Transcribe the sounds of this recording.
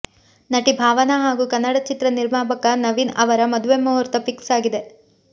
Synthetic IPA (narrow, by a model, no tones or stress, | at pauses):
nɐʈibʱaːʋɐnɐɦaːɡuːkɐnːɐɽɐt͡ʃit̪ɾɐniɾmaːbɐkɐnɐʋinɐʋɐɾɐmɐd̪uʋemːɐɦɔɾt̪ɐpiksaːɡid̪e̞